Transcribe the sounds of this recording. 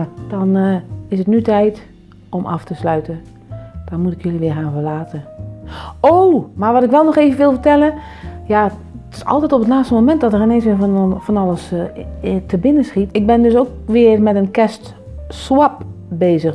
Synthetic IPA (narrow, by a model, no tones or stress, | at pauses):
d̥ɔnɪsətnytɛjt | omʔɔ̰ftəslœɥtə | d̥ɔnmutɪkjøliʋɪːxaːnfəlaːtə | owmaʋɔtɪkʋɛlˠnɔxeːvənʋɪlˠfərtɛlˠə | ja | tɪ̥sɔ̰lˠtɛjtɔpətlaːstəmomɛnt̚dɔtəɪneːnsʋɪːfɔnɑləs | tʰəbɪnəsxitɪɡ̚bɪndøs̬oːkʋɪərmɛtənkɛst | swap̚ | beːzəx